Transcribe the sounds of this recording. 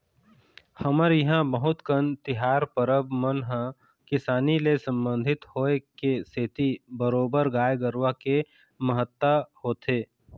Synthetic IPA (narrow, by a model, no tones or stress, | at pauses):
həməɾjɐɦãbəɦʊt̪kənt̪ɪɦaːɾpəɾəbmənɦã | kɪsaːnilesə̃mbə̃nd̪ʱɪt̪hoːekeset̪ibəɾoːbəɾɡaːjɡəɾwake | məɦət̪ːəhoːt̪eː